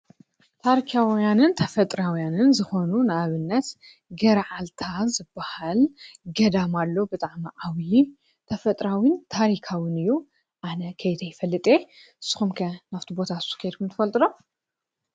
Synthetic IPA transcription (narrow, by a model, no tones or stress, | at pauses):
t̪ʰaɾikʰawjanɨnt̪ʰɐfɐt̪ʼɾawjanɨnzɨxo̞nunɨaβɨnːɐt̪ | ɡɐɾʕalt̪ʰazɨbːahalɡɐd̪amalːobɨt̪ʼaʕmiʔawi | t̪ʰɐfɐt̪ʼɾawint̪ʰaɾikʰawɨnɨjːu | ʔanɐkʰɐjt̪ʰɐjɪfɐlːɨt̪ʼe | ɨsːɨ̥xumkʰɐnaft̪ʰibo̞t̪ʰaskʰɐjd̪kʰumt̪ʰɨfɐlt̪ʼɨlom